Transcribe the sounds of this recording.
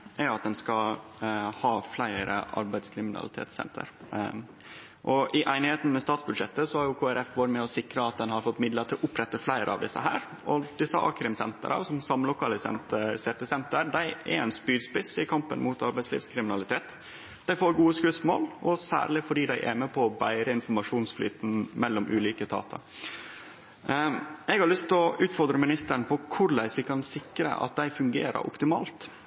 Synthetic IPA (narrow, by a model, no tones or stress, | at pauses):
ʔæɾɑt̪̚d̪ɛnskɑ | hɑːflæɪɾə̰ʔɑ̰ɾbæɪd̪skʰɾɪmɪnɑ̰lɪt̪ʰḛːt̪sɛ̰nt̪ʰə̰ɾ | ʔɔʔɪʔæɪnɪheːt̪n̩mɛst̪ɑːt̪sbʉd̪ʂɛt̪ːəsɔhɑɾjʊkʰoːæɾɛfʋɑɾɪt̪mɛɔsɪkɾəɑt̪̚d̪ɛnhɑɾfɔt̪ːmɪd̪ləɾt̪ʰɪlʔʊpːɾɛt̪ːəflæɪɾə̰ɑ̰ʋd̪ɪsːə̰ɦæ̰ːɾ | ʔɔd̪ɪsəʔɑ̰ːkɾɪmsɛnt̪ə̰ɾʔə̰sɔmsɑmlʊkʰɑːləsɛ̰nt̪əsɛɾt̪əsɛnt̪əɾd̪æɪɛ̰ɾɛɪnspyːɾspɪsɪkʰɑmpə̰nmuːt̪ɑɾbæɪslḭːʋskʰɾɪmɪnɑlɪt̪ʰeːt̪ | d̪̥æɪfoːɾɡuːəskʉsmo̰ːlɔsæ̰ːɾɭɪfɔɖiːd̪æɪʔæ̰mɛpʰɔɔbæɪɾəɪnfɔɾmɑʂuːnsfly̰ːt̪n̩mɛlːɔmʔʉːliːkət̪ʰɑ̰ːt̪ʰɑ | ɛɡhɑɾɭʏst̪ʰɔʔʉːt̪fɔɾd̪ɾəmɪnɪst̪əɳpʰɔkʰʊɾlæɪsʋɪkʰɑnsɪkɾə̰ʔɑ̰t̪̚d̪æɪfʉŋɡḛːɾə̰ɾʔɔ̰pt̪ɪmɑ̰ːlt̪